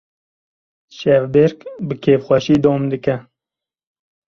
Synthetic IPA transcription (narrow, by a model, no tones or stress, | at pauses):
ʃɛvbeɾkbɨkʰeːvxʷɛʃiːd̪oːmd̪ɨkɛ